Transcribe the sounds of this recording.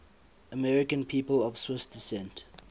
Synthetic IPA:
əmɛɹɪkə̃npʰiːpəlɔv̥swɪsd̥ɪsɛ̃nt

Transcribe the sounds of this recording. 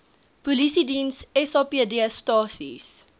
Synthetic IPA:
pulisidinsɛsɑːpiədiəstɑːsḭs

